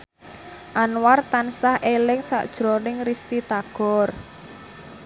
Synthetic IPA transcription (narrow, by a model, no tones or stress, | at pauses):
ʔanwart̪ansahʔelɪŋsa̰ʔd̥ʒ̥ɾonɪŋrist̪it̪aɡ̥ɔ̤r